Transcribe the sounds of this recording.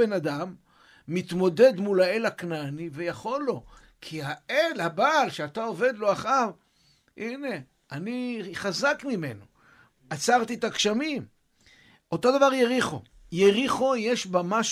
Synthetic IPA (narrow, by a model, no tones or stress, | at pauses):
enad̪amː | it̪mo̞d̪e̞d̪mulae̞laknanive̞jaχo̞lːo̞ | kʰihaʔelhabaːlʃeat̪ao̞ve̞d̪lo̞aχav | ʔine̞ | aniχazakmime̞no | at͡saʁt̪it̪akʃamim | o̞t̪o̞d̪avaʁjeʁiχo̰ | jeʁiχojeʃbamaʃ